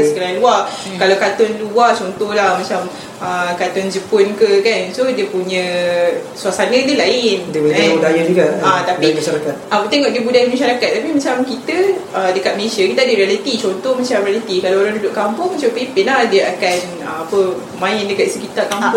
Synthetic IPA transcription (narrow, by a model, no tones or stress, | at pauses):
səkəɾaluakalawkat̪ɔnluat͡ʃɔnt̪ɔhlahmat͡ʃam | əkat̪ɔnd͡ʒəpʊnkəkansodiəpuɲə̃ | suasanə̃dəlaɪndəpuabudajad͡ʒuɡaat̪apiaʃaɾakat̪̚ʔat̪eŋɔʔdiəbudajamaʃaɾakat̪̚ːapimat͡ʃamkit̪əədəkat̪̚məlesakit̪adəɾialət̪it͡ʃɔnt̪ɔhmat͡ʃamɾialit̪ikalawaladudʊʔkampʊŋmat͡ʃapepɪnlahdiəʔakan | əapə | mãɪndəkat̪̚səkit̪akam